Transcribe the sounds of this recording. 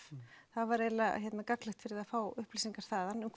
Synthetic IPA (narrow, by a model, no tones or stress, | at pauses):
θaðvaɾeːjlaçɛt̪nakaklɪxt̪fɪɾɪðaðfaːwʏhplisiŋkaɾ̥θaːðanʏmkʰ